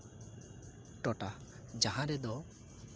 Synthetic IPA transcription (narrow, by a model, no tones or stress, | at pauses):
ʈɔʈa | d͡ʒaɦãɾɛd̪ɔ